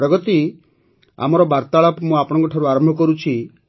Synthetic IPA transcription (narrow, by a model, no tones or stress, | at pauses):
ɾɔɡɔt̪i | a̰mɔɾɔbaɾt̪aɭɔpmũapɔɽ̃ɔŋkɔʈʰaɾuaɾɔmbʱɔkɔɾut͡ʃʰi